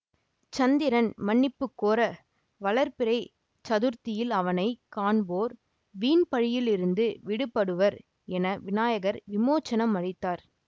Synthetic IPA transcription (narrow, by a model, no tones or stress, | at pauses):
t͡ʃɐnd̪ɪɾɐnmɐɳːɪpːɯkːoːɾɐ | ʋɐɭɐɾpɪɾɐɪ | t͡ʃɐðɯɾt̪ɪjɪlɐʋɐnɐɪkaːɳboːɾ | ʋiːnpɐɻɪjɪlɪɾɯnd̪ɯʋɪɽɯpːɐɽɯʋɐɾ | ɛnɐʋɪnaːjɐɣɐɾʋɪmoːt͡ʃːɐnɐmɐɽɪt̪ːaːɾ